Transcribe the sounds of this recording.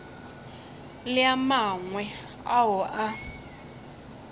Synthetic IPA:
lɪamaŋwɛ | aɦʊʔa

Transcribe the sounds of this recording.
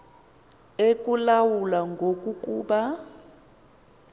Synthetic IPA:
ek̬ʼulawulaŋɡʱokʼukʼuːɓa

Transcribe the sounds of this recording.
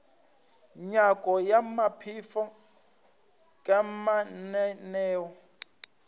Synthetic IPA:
ɲakʼɔjamapʰifɔ | kʼamanɛnɛːwɔ

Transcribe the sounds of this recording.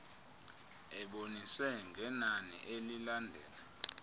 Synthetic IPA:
ɛɓoniswɛŋɡʱɛnanḭʔelilandʱɛːla

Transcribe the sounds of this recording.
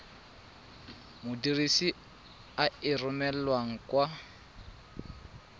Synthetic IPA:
mʊdirisi | aɪrʊmɛlwaŋ̩kwa

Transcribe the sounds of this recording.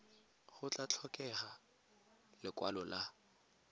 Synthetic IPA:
χʊt͡ɬʼat͡ɬʰɔkʼɛχa | lɪkʼwa̰lɔla

